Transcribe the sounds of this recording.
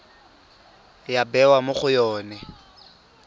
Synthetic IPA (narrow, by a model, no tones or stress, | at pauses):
jabɛwamʊχʊjɔːnɛ